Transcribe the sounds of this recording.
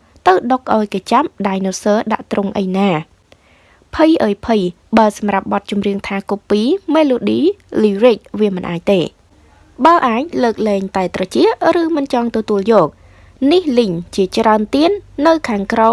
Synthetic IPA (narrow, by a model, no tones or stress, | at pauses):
t̪ɨwɗok̚ʔaɔjkeːt͡ɕam̚ɗaːjnosəːɗa̰ʔt̪rʊŋʔə̰jnaː | pʰɨjʔəəjpʰɨj | ɓaəsɑmrap̚ɓɑt̪̚t͡ɕumriəŋt̪ʰaːkupːiːmeːloːɗiːliːric̚ʋiəmɨnʔaːc̚t̪eː | ɓaəʔaːc̚ləːk̚lɛːŋt̪aɛt̪rɑt͡ɕiəʔrɨːmɨnt͡ɕɑŋt̪ɔt̪uəljɔːk̚ | nihlɨɲt͡ɕiət͡ɕraənt̪iənːɨwkʰaːŋkrɔ